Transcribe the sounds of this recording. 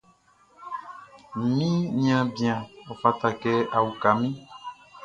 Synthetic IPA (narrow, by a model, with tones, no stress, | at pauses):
mĩ˦ɲ˦ã˦bi˨ã˨o˨fa˨t̪a˨kɛ˦a˨wu˨ka˨mĩ˦